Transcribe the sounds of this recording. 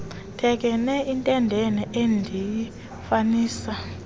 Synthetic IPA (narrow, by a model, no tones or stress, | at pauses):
tʰɛk̬ɛnɛintʼɛndʱɛnɛʔendʱiji | faniːsa